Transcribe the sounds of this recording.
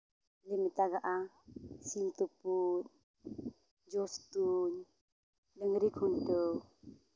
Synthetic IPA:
limit̪aɡaʔa | sint̪uput̪̚ | d͡ʒɔst̪uɲ | dəŋɾikʰuntɯw

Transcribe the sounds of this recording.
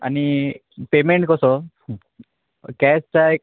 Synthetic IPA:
a̰ni | pemeɳʈkɔsɔ | kɛst͡saj

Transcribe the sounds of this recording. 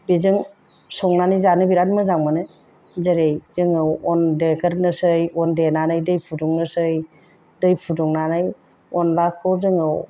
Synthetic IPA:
bizɯŋ | sɔŋnanɯjzanɯbiɾanmɯzaŋmanɯ | zəɾejzɯŋɯwɔndekəɾnɯsɯjɔndenanɯjdɯjpʰudɔŋnɯsɯj | dɯjpʰudɔŋnanɯj | ɔnlakʰːɔzɯŋɯw

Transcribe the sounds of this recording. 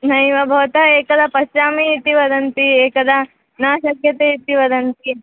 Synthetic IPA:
nɐjʋɐbʱɐʋɐt̪ɐeːkɐd̪ɐpɐʃt͡ʃaːmiit̪iʋɐd̪ɐnt̪ieːkɐd̪ɐ | naːʃɐkjɐt̪eit̪ːiʋɐd̪ɐnt̪i

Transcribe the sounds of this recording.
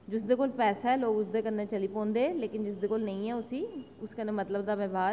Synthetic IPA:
d͡ʒʊsd̪eːkoːlpɛːsaːɛːloːɡʊsd̪eːkəɾnaːt͡ʃəliːpɔ̃ːnd̪eːleːkɪnd͡ʒɪsd̪eːkoːlnə̃ĩːɛːʊsiː | ʊskəneːmət̪ləbd̪aːʋɛːbaːɾ

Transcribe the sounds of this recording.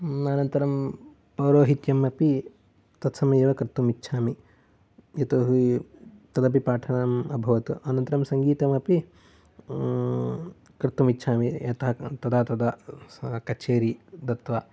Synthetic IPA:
ɐnɐnt̪ɐɾɐm | pɐwɾoːɦit̪jɐmɐpi | t̪ɐt̪sɐmɐjeːʋɐkɾɪt̪ːumitːʃʰaːmi | jɐt̪oːɦu | t̪ɐd̪ɐpipaːʈʰɐɳɐmɐbʱɐʋɐt̪uʔɐnɐnt̪ɐɾɐmsɐŋɡiːt̪ɐmɐpi | kɾɪt̪ːumitːt͡ʃʰaːmijɐt̪ɐɦɐt̪ɐd̪aːt̪ɐd̪ɐ | kɐt͡ʃeːɾid̪ɐt̪ʋaː

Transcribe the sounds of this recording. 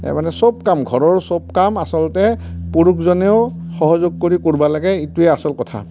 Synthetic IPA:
ɛ̰manɛsob̚kamɡʱɔɹɔɹsob̚kamasɔltɛpuɹukʰzɔneʊxɔɦɔzoɡ̚koɹikoɹbalaɡɛituɛasɔlkɔtʰa̰

